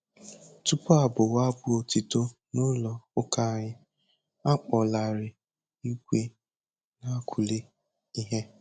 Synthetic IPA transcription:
tu˦pɔ˦a˨bʊ˨wa˦bʊ˦o˨ti˨to˦ | nʊ˦lɔ˨ʊ˦ka˦ɲɪ˦ | a˦k͡pɔ˨la˨ɾɪ˨ | i˦ɡʷe˦ | na˦kʰu˨le˦ | i˦ɦe˦

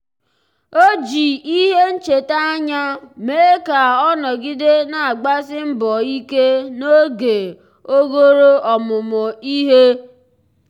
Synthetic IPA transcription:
o˦d͡ʒi˨i˦ɦe˦n̩˦t͡ʃe˨ta˦a˦ɲa˦meː˨˦ka˨ɔ˦nɔ˨ɡɪ˦de˦na˨a˨ɡ͡ba˦sɪ˦m̩˦bɔ˨i˦ke˦no˦ɡe˨ | o˦ɡo˦ɾo˦ɔ˨mʊ˨mʊ˨i˦ɦe˦

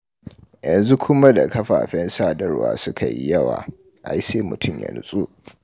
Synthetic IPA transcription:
jɐ˨nzu˦kʰʷʊ˦ma˦da˨kɐ˦ɸa̰ː˨ɸɛ˦nsaː˦dɐ˦rwa̰ː˨sʊ˦kʰa˨jḭ˦jɐ˦wa̰ː˨ | ʔa˨ji˦seː˦mʊ˨tʰʊ˦˨mjɐ̰˨nʊ˦sʼu˦

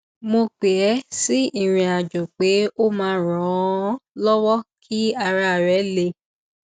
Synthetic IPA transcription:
mo˧k͡pe˨ɛ˨˦si˦i˦˨ɾ̃ĩ˨a˨d͡ʒo˨k͡pe˨˦o˦mãː˧˦ɾɔ̃˨˦lɔ˦wɔ˦kʰi˦a˧ɾa˧˨ɾɛ˨˦le˧

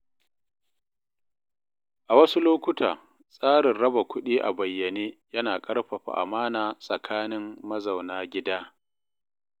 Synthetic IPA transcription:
ʔa˨wɐ˦su˦loː˦kʷʊ˦tʰaː˨ | sʼaː˦ɽɪ˨rɽɐ˦ba˨kʷʰʊ˦ɗiː˦ʔa̰˨bɐ˨jːɐ˨neː˦jɐ˦naː˨kʼɐ˦ɽɸa˨ɸa̰˨ʔa̰˨maː˦naː˨sʼɐ˨kʰaː˦nɪ˦mːɐ˦zɐ˨wnaː˦ɡʲɪ˦daː˦

